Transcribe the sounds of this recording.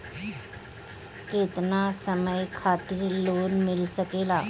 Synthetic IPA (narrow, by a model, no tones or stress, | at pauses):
ket̪nasəməjkʰat̪iːɾlonmilsəkela